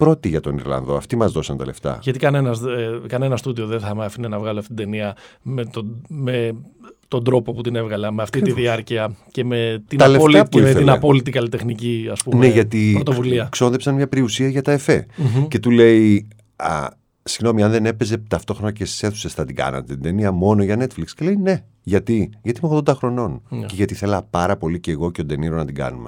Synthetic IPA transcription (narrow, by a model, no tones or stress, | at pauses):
pɾo̞t̪iʝɐt̪o̞nḭɾlɐ̰nðo̞ɐ̰ft̪imɐzðo̞sɐnt̪ɐ̰le̞ft̪ɐ̰ʝɐt̪ikɐnenɐskɐnɐe̞nɐst̪uðio̞ðenθɐmɐfinenɐvɣɐloɐft̪iid̪eniɐmet̪ome̞ | t̪o̞nd̪ɾo̞po̞put̪ine̞vɣɐlɐme̞ɐft̪it̪iðiɐɾciɐce̞me̞t̪iɐlepimet̪inɐpo̞lit̪ikɐlit̪e̞xniciɐspunmeʝɐt̪iɾɾot̪ovuliɐkso̞nðepsɐnmɲɐpɾiusiɐʝɐt̪ɐefḛce̞t̪ule̞i | ɐ̰ | siɣno̞miɐnðe̞ne̞peze̞t̪ɐft̪o̞xɾonɐcest̪i̥se̞θu̥sesθɐt̪iɡɐ̰nɐ̰t̪e̞d̪eniɐmo̞no̞ʝɐne̞t̪flikscele̞ine̞ | ʝɐt̪iʝɐt̪imeɣðod̪ɐxɾo̞no̞nceʝɐt̪iθe̞lɐpɐɾɐpo̞lice̞ɣo̞ceod̪e̞niɾo̞nɐt̪iɡɐ̰nume